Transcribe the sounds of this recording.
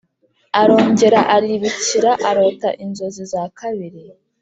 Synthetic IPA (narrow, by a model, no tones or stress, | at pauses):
aɾo̞ːɲɟe̞ɾaʔaɾiβiciɾaʔaɾo̞taʔinzo̞zizakʰaβiɾi